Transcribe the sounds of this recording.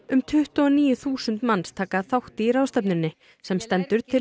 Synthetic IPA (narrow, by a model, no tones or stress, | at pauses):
ʏmt̪ʰʏht̪ʏɔniːjʏθuːsʏnt̪manst̪ʰaːkaθawht̪ɪiraːwst̪ɛpnʏɾnːɪ | sɛmst̪ɛnt̪ʏɾ̥t̪ʰɪ